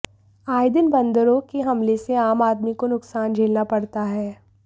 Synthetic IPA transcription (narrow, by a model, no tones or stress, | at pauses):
aːɪd̪ɪnbɐ̃nd̪əɾõkeɦɐmleseaːmaːd̪mikonʊksaːnd͡ʒʱeːlnapɐɽt̪aɦɛː